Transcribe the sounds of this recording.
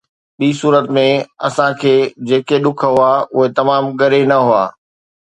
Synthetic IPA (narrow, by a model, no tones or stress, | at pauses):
ɓiːsuːɾət̪mẽɐ̰sãkʰeːd͡ʑeːkeɗʊkʰəɦʊaʊɦet̪ɐmaːmɠɐɾenɐɦʊa̰ː